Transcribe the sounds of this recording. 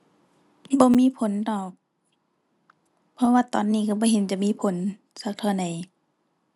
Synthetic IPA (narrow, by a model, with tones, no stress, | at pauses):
bɔː˧˦miː˧˥˨pʰo˨˦ndɔː˨˩k̚ | pʰɔ˧waː˧t̪ɔ̰ː˨˦nːiː˧˩˨ka˧˩bɔː˧˦ɦe˨˦nt͡ɕa˨˧˨ʔmiː˧˥˨pʰo˨˦n | sa˧˦k̚t̪ʰaː˧˦na˨˦j